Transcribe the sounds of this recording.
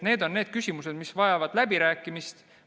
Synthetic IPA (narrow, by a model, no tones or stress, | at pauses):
ne̞ːd̪̥o̞nːe̞ːd̪̥kysʲimuse̞d̪misvɑjɑvɑd̪̥læbiɾæːkːˑimist̪